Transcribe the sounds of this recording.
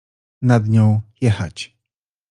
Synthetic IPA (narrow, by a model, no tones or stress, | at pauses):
nad̪ɲɔ̃w̃jɛxa̰t͡ɕ